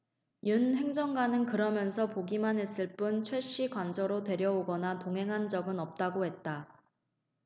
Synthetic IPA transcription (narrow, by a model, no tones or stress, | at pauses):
junɦe̞ŋd͡ʑʌŋɡanɯnkɯɾʌmjʌnsʰʌpoɡimanɦe̞s͈ɯɭp͈unt͡ɕʰwe̞ɕ͈ikwand͡ʑʌɾotwe̞ɾjʌoɡʌnatoŋɦe̞ŋɦand͡ʑʌɡɯnʌp̚t͈aɡohe̞t̚t͈a